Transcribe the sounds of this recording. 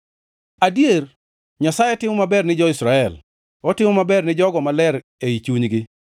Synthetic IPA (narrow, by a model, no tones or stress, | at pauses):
adjer | ɲasajɛtɪmʊmabɛrnɪd͡ʒɔɪsɾaɛl | ɔtɪmʊmabɛrnɪd͡ʒɔɡɔmalɛɾ | eit͡ʃuɲɡɪ